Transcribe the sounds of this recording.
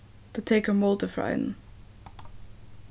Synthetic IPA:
tʰətʰeɪkəmɔlˠtəfɹa̰ɪn

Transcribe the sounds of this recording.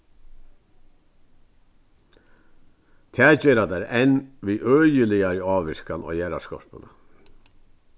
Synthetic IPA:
t̪ʰɛːd͡ʑeːɾad̪ɛɾɛnʋiːʔœːjəlɪaɾɑːʋɪɹ̥kanɔ̰ːjæːɾa̰skɔ̰ɾ̥pənə

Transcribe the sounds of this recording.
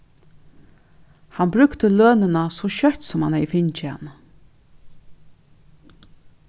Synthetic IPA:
hanbɾʏkt̪əløːnɪnasɔʃœht̪sɔmhanhɛjfɪɲt͡ʃɪha̰nːə

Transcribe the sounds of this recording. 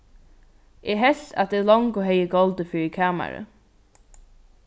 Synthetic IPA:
ʔɛːɦɛɬt̪a̰t̪̚d̪ɛːlɔŋkɔɦɛjəɡɔlt̪əfɪːɹikʰaːma̰ɹə̰

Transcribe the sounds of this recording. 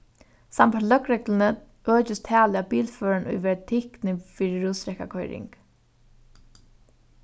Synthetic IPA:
sampalœkɾɛklɪnə | ʔøːt͡ʃɪst̪ʰæːlɪabiːlføːɹanʔʊ̰jʋɛɹt̪ʰɪhknɪfiːɾɪɹuːsɾɛhka̰kʰɔjɾɪ̰ŋk

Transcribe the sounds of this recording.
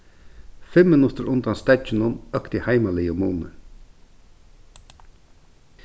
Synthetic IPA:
fɛmːənʉt̪əɾʔʊnd̪ɑnst̪æt͡ʃənʊnœkt̪ihæɪmɑliːomuːnə

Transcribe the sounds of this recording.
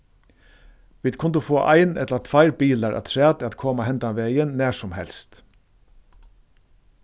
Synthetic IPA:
ʋiɪːd̪kʰʊnd̪uːfoːʔæ̰ɪnɛt̪ləɑt̪ʰʋæɪɾbiːlɑɾʔɑ̰t̪ʰɹæːt̪ɑt̪kʰɔːmɑhɛnt̪ɑʋeɪənnæːʂɔmhɛ̰lst̪

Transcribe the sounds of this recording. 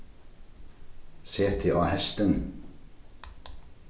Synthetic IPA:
seːt̪ʰɪʔɑːhɛst̪ən

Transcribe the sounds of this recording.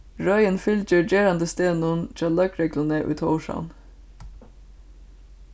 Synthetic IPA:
ɹœʏənfʏld͡ʒəɹd͡ʒeːɾand̪əst̪eːnʊnt̪ʰɾɑːlœkɾɛɡlənəʔʊ̰jt̪ʰɔːʊʂa̰wn

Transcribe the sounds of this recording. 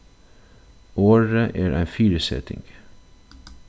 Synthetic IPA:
oːɹəʔeːɹʔæ̰ɪfiːɾəsɛ̰t̪ɪ̰ŋɡ

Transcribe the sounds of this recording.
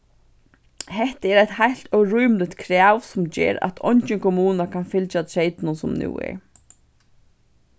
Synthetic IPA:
hɛht̪əɛɾajt̪hajl̥t̪œwɾujmlɪt̪kʰɾaːwsʊmd͡ʒɛ̰ːɾa̰t̪ʰɔ̰ɲt͡ʃɪnkʰɔmuːnakʰanfɪlt͡ʃat̪ʰɾejt̪nʊnsʊmnṵːɛ̰ɹ

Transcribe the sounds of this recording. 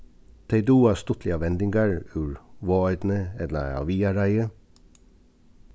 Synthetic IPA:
t̪ʰæɪd̪uːɑst̪ʊt̪ʰlɪɑʋɛnd̪ɪŋɡɑɹʉːɹʋoːœʏd̪n̩əɛlə̰ɑ̰ʋiːɑɾæɪə

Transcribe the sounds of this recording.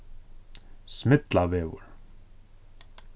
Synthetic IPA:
smɪt̪lavɛːvʏ̰ɾ̥

